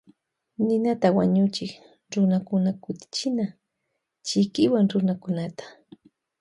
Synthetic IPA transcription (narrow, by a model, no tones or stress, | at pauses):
nɪnat̪awaɲʊt͡ʃɪk | ɾʊnakʊnakʊt̪ɪ̥t͡ʃɪna | t͡ʃɪkɪwaŋɾʊnakʊnat̪ḁ